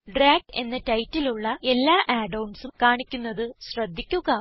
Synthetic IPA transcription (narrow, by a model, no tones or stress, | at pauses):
ɖraːɡ̚e̞nːɐtɐjtːiluɭːɐe̞lːaːʔaːɖɐwɳɖsumkaːɳikʲːunːɐðɨɕrɐd̪ʱːikʲːuɣɐ